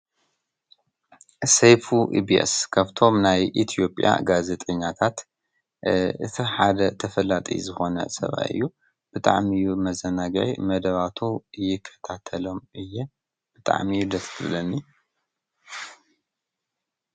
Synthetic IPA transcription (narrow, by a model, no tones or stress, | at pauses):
sejfuʔḭbiḛskʰaβt̪ʰo̞mnajʔit̪ʰijo̞pʼja̰ɡaze̞t̪ʼɐɲːat̪ʰat̪ | ʔɨ̰t̪ʰiħad̪ɐt̪ʰɐfɐlat̪ʼḭzɨxo̞nɐ̰sɐ̰βa̰ɨ̰jːu | b̥ɨt̪ʼa̰ʕmijumɐzɐnaɡʕḭmɐd̪ɐβat̪ʰujɪkʰːɐ̥t̪ʰat̪ʰɐlo̞mɨjːɛ | b̥ɨt̪ʼa̰ʕmiud̪ɐt̪k̪ʰɨβlɐnːi